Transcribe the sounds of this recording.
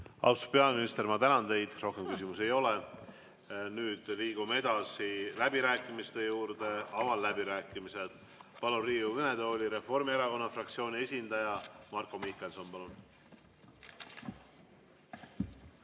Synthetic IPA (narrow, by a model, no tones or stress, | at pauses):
ɑ̰wst̪u̥pe̞ɑminist̪e̞ɾmɑt̪ænɑnt̪e̞jd̪̥ro̞hke̞mkysimuse̞jo̞le | nyːd̪̥liːɡ̥umee̞d̪̥ɑsilæb̥iɾæːkːˑimist̪e̞juːɾd̪̥e̞ɑvɑlːæbiɾæːkːˑimise̞d̪̥ | pɑluriːuvene̞d̪eolʲiɾe̞fo̞rmieɾɑko̞nːɑfrɑk̚t̪sio̞ːnʲie̞sʲind̪̥ɑjɑmɑrkomihke̞lso̞npɑlun